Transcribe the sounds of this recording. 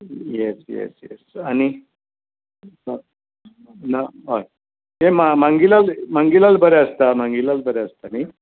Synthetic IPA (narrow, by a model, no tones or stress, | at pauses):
jɛsjɛ̰sjɛ̰sani | sə | naɦoj | ɦemamaŋɡilalmaŋɡilalbəɾeəst̪amaŋɡilalbəɾeəst̪ani